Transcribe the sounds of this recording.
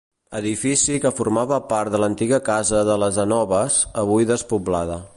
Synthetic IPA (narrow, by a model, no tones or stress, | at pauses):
əðifisikəfurmaβəpaɾt̪d̪ələnt̪iɣəkazəðələzənɔβəzəβujðəspublaðə